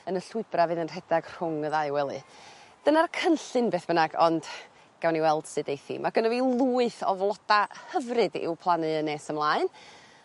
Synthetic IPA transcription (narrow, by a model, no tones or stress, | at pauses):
ənəɬʊɨb̥ravɨðənr̥ɛd̥aɡ̥r̥ʊŋəðaɨwɛlˠɨ̰d̥ənarkʰənɬɨnbeːθb̥ənaɡɔnd̥ | ɡ̥awniwɛlˠd̥sɨdejθḭmʔaɡənəviːlˠuːɨθɔvlˠɔd̥ahəvrɨdɪ̰wpʰlˠanɨəneːsəmlˠaːɨn